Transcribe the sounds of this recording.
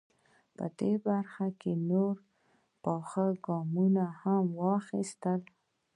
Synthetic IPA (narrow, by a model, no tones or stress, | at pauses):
pə̰d̪̥ebaɾxakenoɾ | pɑxəɡɑmunahamwɑxist̪əl